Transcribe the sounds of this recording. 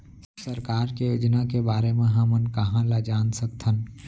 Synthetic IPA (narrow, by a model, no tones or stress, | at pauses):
səɾkaːɾkejoːd͡ʒnakebaːɾemẽɦɐmənkɐɦãlad͡ʒaːnsək̚t̪ʰən